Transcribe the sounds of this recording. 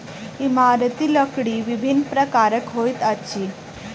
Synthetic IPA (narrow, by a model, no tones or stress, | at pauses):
imaɾt̪iləkɽiʋibʱinːpɾəkaɾəkɦojt̪ət͡ɕʰiː